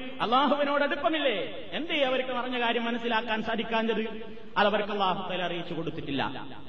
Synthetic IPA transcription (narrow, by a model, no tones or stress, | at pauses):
ɐlˠːaːɦuʋɐno̞ːɽeɽupːɐmilːe | end̪iɐʋɐɾkːɨmɐrɐɲːɐkaːɾjɐmːɐnɐsːilaːkːaːnsaːd̪ikʲːaːnd͡ʑɐðɨ | ɐðɐʋɐɾkɨɐlːaːɦut̪aːlɐrijit͡ɕːuko̞ɽut̪ːiʈːilːɐ̰